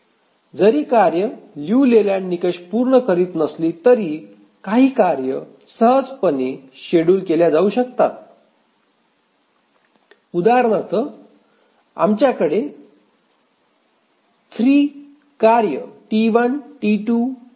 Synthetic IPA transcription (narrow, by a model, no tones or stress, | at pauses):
d͡zəɾiːkaɾjəljuːleljaɳnikəɕpuɾɳəkəɾiːt̪nəsliːt̪əɾiː | kaɦiːkaɾjə | səɦəd͡zpəniɕeɽuːlkeljad͡zauɕəkt̪a̰t̪ | ud̪aɾɳət̪ʰə | a̰mt͡ɕjakəɽe | t̪ʰɾiː | kaɾjəʈiʋənʈiʈu